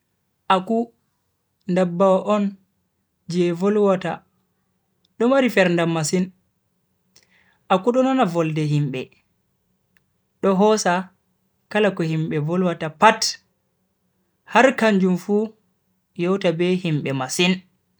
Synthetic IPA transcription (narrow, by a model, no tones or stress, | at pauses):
ʔaku | ndabːawaʔɔn | d͡ʒɛvɔlwata | ɗɔmaɾifɛɾndamasin | ʔakuɗɔnɔnavɔldɛɦimɓɛ | ɗɔɦɔsa | kalakɔhimɓɛvɔlwatapat | haɾkaɲd͡ʒumfu | jɔwtabɛhimɓɛmasin